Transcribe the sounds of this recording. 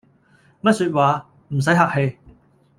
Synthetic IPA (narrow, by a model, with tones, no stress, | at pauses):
mɐ˥t̚syː˧t̚waː˨ | m̩˨˩s̬ɐ˨˥jɦaː˨k̚he˧j